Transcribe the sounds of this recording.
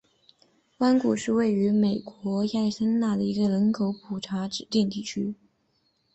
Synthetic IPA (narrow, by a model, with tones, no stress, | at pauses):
wa˥nku˨˩ʂɻ̩˥˧we˥˩ɪy˧˥me˨˩ɪkwɔ˧˥ja˥˩ɪsə˥nna˥˩d̪ə˩i˧˥ɡə˧lə˧˥nkʰo˧˥ʊpʰu˨˩ʈ͡ʂʰa˧˥ʈ͡ʂɻ̩˨˩t̪i˥˧ŋt̪i˥˩t͡ɕʰy˥